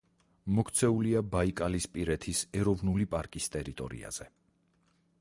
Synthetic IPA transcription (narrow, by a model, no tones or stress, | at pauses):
mɔkʰt̪sʰɛuliabaikʼalispʼiɾɛt̪ʰisɛɾɔvnulipʼaɾkʼist̪ʼɛɾit̪ʼɔ̰ɾḭa̰z̥ɛ